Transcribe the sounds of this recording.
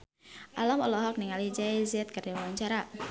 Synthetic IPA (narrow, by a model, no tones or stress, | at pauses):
ʔalamɔlɔɦɔk̚niŋalid͡ʒaizɛt̪̚kardiwawaɲt͡ʃaɾa